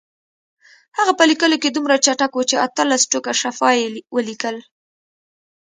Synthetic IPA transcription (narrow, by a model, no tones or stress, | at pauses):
haɣapəlikəloked̪umɾat͡ʃaʈakwut͡ʃeat̪əlasʈokaʃafɑjewəlikəl